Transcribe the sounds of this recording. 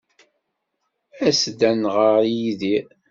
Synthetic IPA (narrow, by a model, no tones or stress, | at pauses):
æsd̪ænʁəɾjiði